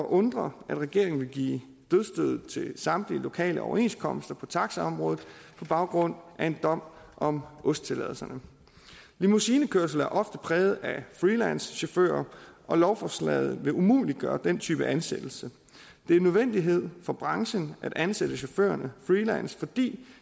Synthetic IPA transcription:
ɒ̽ʔɔ̽nd̥ʁɐʔæd̥ʁɛɡ̥e̝ɐ̰e̝ŋn̩ʋe̝lɡ̥ḭː | d̥øðˠsd̥øð̞̩ˠt͡sʰe̝lsɑ̈md̥lilo̝kʰɛ̰ːləɒ̰ʊɐe̝nskʰɒ̽m̰sd̥ɐpʰɒ̽t͡sʰɑ̈ɡ̥səɒ̽mʁɔ̽ːð̞̩ˠpʰɒ̽b̥ɑ̈ʊɡ̥ʁɔ̽n̰ʔæe̝nd̥ɒ̽m̰̥ʔɒ̽mʔɔ̽sd̥̚t͡sʰe̝lɛ̰ð̩ˠsɐnə | limusiːnəkʰøɐs̬l̩æɐʔɒ̽fd̥əpʰʁɛːʊð̞̩ˠæfʁilænsɕo̝fø̰ːɐʔɒ̽lɒʊfɒslɛ̰ð̞̩ˠʋe̝ʔumṵːliɡ̥ɶːɐd̥en̰t͡sʰy̰ːb̥əʔænsed̥l̩sə | d̥e̝æɐnːøðˠʋen̰d̥iɦe̝ð̰ˠfɒ̽b̥ʁɑ̈ŋɕənʔæd̥ʔænsed̥əɕo̝fø̰ːɐnəfʁiːlænsfɒ̽d̥ḭː

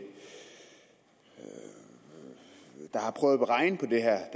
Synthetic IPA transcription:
d̥ɑ̈hɑ̈pʰʁœːʊð̩ˠb̥əʁɑ̈ɪnəpʰɒ̽d̥e̝ɦæɐd̥

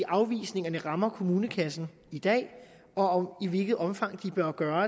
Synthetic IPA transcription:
iʔɑ̈ʊʋḭːsne̝ŋɐnəʁɑ̈mɐkʰo̝muːnəkʰæsn̩ | id̥ɛ̰ː | ɒ̽ɒmiʋe̝lɡ̥ð̞̩ˠɒ̽mfɑ̈ŋ̰d̥ib̥ɶɐɡ̥ɶːɐ

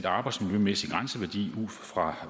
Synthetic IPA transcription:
d̥ɑ̈ːb̥ɑ̈ɪd̥smiljømesiɡ̥ʁansəʋæɐd̥ḭːuð̰ˠfʁɑ̈

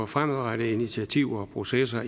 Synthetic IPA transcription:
ɒfʁamðˠʁɑ̈ɾəinit͡sʰiæt͡sʰiʊ̰ɐːpʰʁo̝ses̬ɐ

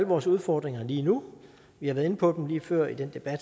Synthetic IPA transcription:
ləʋɒːsuð̞ˠfɒːd̥ʁeŋɐliːnu | ʋihɑ̈ʋæɐðˠe̝nəpʰɒ̽d̥em̩liːfɶɐ̰id̥end̥e̝b̥æd̥

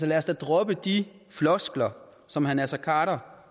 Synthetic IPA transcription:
sɒlæɐsd̥æd̥ʁɔb̥əd̥i | flɒ̽sɡ̥lɐ | sɒ̽mhænæɐsɐkʰɑ̰̈ːɾɐ

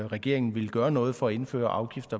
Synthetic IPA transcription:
ʁɛɡ̥e̝̰ɐe̝ŋn̩ʋe̝lɡ̥ɶːɐnɔ̽ːð̞̩ˠfɒ̽e̝nfø̰ːɐʔɑ̈ʊɡ̥ifd̥ɐ

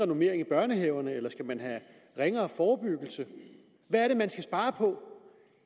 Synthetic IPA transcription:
ʁɛno̝me̝ɐ̰e̝ŋæb̥ɶɐnəɦeʊɐnəelɐsɡ̥æmænɦæ | ʁeŋɐːfɒːb̥yɡ̥l̩sə | ʋæɐɾe̝mænsɡ̥æsb̥ɑ̈ːpʰɒ̽

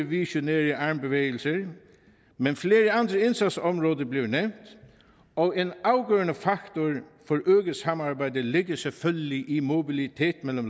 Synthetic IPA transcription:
ʋɪʃʊneːɹəɑɹmbəʋeːɡəlsəɹ | mɛnfleːɹəand̪ɾəɪnsat̪sɔmɹoːd̪əblɪʋnɛwnt̪ | ɔeːnaʊɡøːɹənəfakt̪ʊɹfɔɹøːɡəsamaɹbæɪd̪əlɪɡəsɛlfœlɡəlɪʔɪmʊbɪlɪt̪ʰeːt̪mɛlːɔm

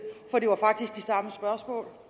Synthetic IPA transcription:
fɒ̽d̥e̝ʋɑ̈fɑ̈ɡ̥̚d̥isɡ̥d̥isɑ̈məsb̥ɶɐsmɔ̰̽ːl

